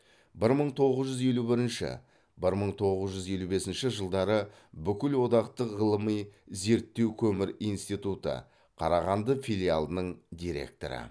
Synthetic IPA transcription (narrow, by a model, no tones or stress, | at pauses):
bɪɾməɴt̪ʰo̞ʁəzʒʏze̞lubɪɾɪnʃɪ̰ | bɪɾməɴt̪ʰo̞ʁəzʒʏzje̞lube̞sɪnʃɪʒəlˠd̪ɑɾə | bʏkʲɪlwo̞d̪ɑqt̪əqʁəlˠəmijze̞ɾt̪ːe̞wkʲʰɵmɪɾijnst̪ijt̪ut̪ə̰ | qʰɑɾɑʁɑnd̪əfilʲija̰lˠənəɴd̪ijɾe̞̰k̚t̪o̞̰ɾə̰